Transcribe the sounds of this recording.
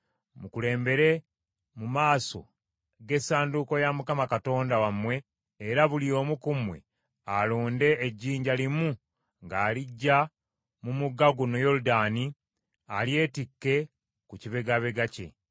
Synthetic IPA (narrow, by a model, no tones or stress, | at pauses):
mukule̞ːmbe̞ɾe̞ | mumaːso̞̰ | ɡe̞saːnduko̞jamukamakato̞ːndawamwe̞ː | ɾaβulio̞ːmukumwe̞̰ | alo̞ːnde̞ːɟːiːɲɟalimu | ŋɡaːliɟːa | mumuɡaɡunojo̞ludaːni | alje̞ːtikːe̞ | kuciβe̞ɡaβe̞ɡace̞̰